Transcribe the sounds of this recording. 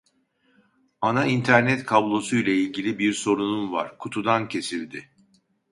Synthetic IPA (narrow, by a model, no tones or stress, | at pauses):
anaint̪ʰæɾnɛt̪kʰablˠo̞sujlʲailʲɟilʲibiɾso̞ɾununva̰ɾ̥kʰut̪ʰud̪ancʰe̞silʲd̪ɪ